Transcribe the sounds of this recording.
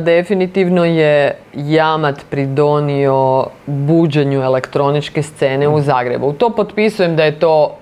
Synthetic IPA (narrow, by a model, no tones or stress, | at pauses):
d̪efinit̪iʋno̞jejamat̪pɾid̪o̞nio̞buːd͡ʑeɲue̞le̞kt̪ɾo̞nit͡ʃke̞st̪se̞ːne̞uzaːɡɾḛbut̪o̞ːpo̞t̪pisuje̞md̪aje̞t̪o̞ː